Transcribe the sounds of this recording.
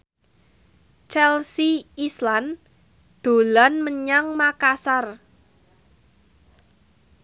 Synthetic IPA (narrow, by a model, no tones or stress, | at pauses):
t͡ʃɛlsiislan | d̪̥o̤lanməɲaŋmakasar